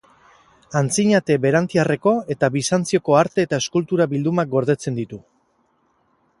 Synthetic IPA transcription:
ant͡siɲat̪e̞βe̞ɾant̪iare̞ko̞e̞t̪aβisant͡sio̞ko̞aɾt̪e̞ːt̪aeskult̪uɾaβild̪umak̚ɡo̞ɾðe̞t͡se̞nd̪it̪u

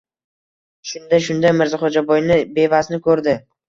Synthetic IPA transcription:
ʃʊnd̪aʃʊnd̪ajmɪɾzɪχɔd͡ʒabɒjnɪbe̞vasnɪkʰɵɾd̪ɪ

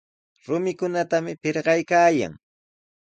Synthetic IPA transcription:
ɾʊmɪkʊnat̪amɪpɪɾɢɑjkaːja̰ŋ

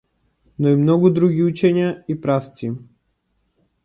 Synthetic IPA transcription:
nɔimnɔɡud̪ɾuɡiut͡ʃɛɲaipɾaft̪si

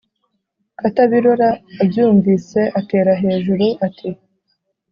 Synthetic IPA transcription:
ataβiɾo̞ɾaːbjuːɱviːse̞ʔate̞ːɾaɦe̞ːʒuɾuʔatʰi

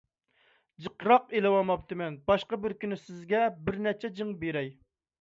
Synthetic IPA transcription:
d͡ʒəqɾɑqelɨwɑmɑp̚t̪ʰɨmɛnbɑʃqɑbɪɾkʲynɪsɪzɡʲɛbɪɾnɛt͡ʃʰɛd͡ʒɨŋbeɾɛj

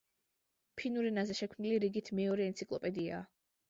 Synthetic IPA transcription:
pʰinuɾɛnazɛʃɛkʰmniliɾiɡit̪ʰmɛɔɾɛɛnt̪sʰikʼlˠɔpʼɛd̪ia̰ː

